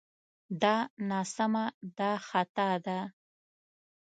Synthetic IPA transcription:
d̪ɑnɑsamad̪ɑxat̪ad̪a

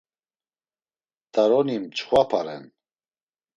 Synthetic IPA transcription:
d̪̥aɾɔnimt͡ʃχwapʰaɾɛ̰n

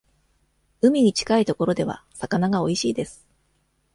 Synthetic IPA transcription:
ɯ̟mʲiɲ̟it͡ɕi̥kait̪o̞ko̞ɾo̞d̪e̞β̞a̰sakanaɡao̞iɕiːd̪e̞sɨ̥

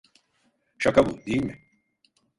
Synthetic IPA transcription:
ʃakabṵd̪ejilʲmɪ

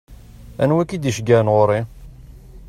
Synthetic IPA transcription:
æ̰nwækid̪iʃɡænʁʊɾˤi

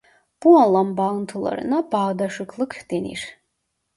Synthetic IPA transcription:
b̥uɑnlˠɑmbɑɯnt̪ʰɯlˠɑ̰ɾɯ̰nɑbɑːd̪ɑʃɯklˠɯkd̪̥enḭɾ̥

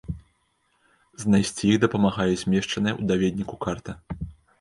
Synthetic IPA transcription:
znajsʲt͡sʲijiɣd̪ɐpɐmaɣajɛzʲmʲɛʂt͡ʂɐnɨjɛʔud̪avʲed̪ʲnʲikukart̪ɐ

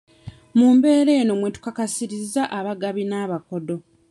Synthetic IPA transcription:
muːmbe̞ːɾe̞ːno̞mwe̞tu̥kakasiɾizaʔaβaɡaβinaːβako̞do̞

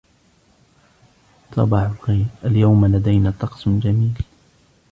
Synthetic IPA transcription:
t̪ʰˤɑ̰bɑʕʊlɣajɾʔaljawmalad̪ajnaːt̪ɑqsd͡ʒamiːl

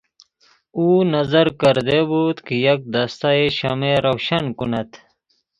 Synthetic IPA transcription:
uːnɐzɐɾkɐɾd̪ebut̪kijɐk̚d̪ɐst̪aeɕɐmeɾɐwɕɐnkunɐt̪

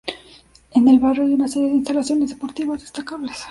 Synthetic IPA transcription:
enelβaroajunaseɾjeðeinst̪alaθjo̞ne̞zðepo̞ɾt̪iβazðe̞st̪akaβles

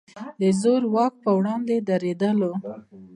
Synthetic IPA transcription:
d̪əzoɾwɑk̚pəwɽɑnd̪ed̪aɾed̪əlo

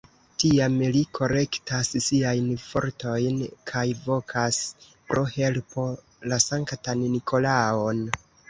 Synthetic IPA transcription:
tiamlikʰo̞ɾe̞ktassiajnfo̞̰ɾto̞jnkʰajvo̞kʰas | pɾo̞he̞lpʰo̞ | lasaŋktanːikʰo̞laon

